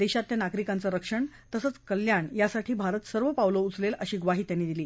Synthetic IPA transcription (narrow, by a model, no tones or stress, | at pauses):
d̪eɕat̪ːjanaɡɾikant͡səɾəkʂəɳ | t̪əsət͡skəljaɳjasaʈʰiːbʱaɾət̪səɾʋəpawlout͡sleləɕiːɡʋaɦiːt̪janːiːd̪iliː